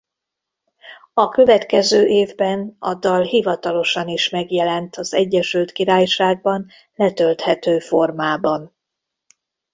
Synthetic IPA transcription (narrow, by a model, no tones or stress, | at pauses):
ɒkø̞vɛt̪kɛzøːʔeːvbɛnɒ̰d̪ːɒlɦivɒt̪ɒlo̞ʃɒniʃmɛɡjɛlɛnt̪ʰɒzɛɟːɛʃylt̪kiɾaːjʃaːɡ̚bɒn | lɛt̪ølt̪hɛt̪øːfo̞rmaːbɒn